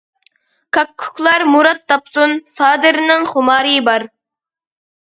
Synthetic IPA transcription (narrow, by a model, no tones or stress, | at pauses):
kʰɑkʰːu̥kʲʰlˠɑɾmuɾɑt̪̚d̪ɑpsunsɑːd̪ɨɾnɪŋχʊmɑːɾɨbɑɾ